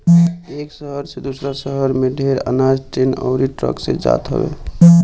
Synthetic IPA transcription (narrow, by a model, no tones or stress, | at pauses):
eksəɦəɾsed̪usɾasəɦəɾmeɖʱeɾə̰nad͡ʒʈenɔ̰ʊɾiʈɾə̰ksḛd͡ʒa̰t̪ɦɔ̰bḛ